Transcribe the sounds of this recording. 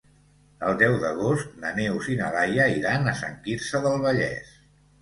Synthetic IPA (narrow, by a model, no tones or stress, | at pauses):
əlˠd̪ɛwðəɣost̪̚nəneuzinəlajəiɾanəsə̰ŋkiɾsəðəlˠβəʎɛ̰s